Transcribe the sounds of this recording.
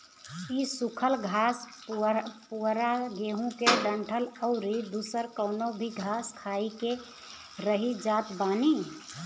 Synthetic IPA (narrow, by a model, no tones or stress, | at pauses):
isukʰəlɡʱas | puɾaɡeɦũkeɖəɳʈʰələʊɾid̪usəɾkəʊnobʱiɡʱaskʰaike | ɾəɦid͡ʒat̪bani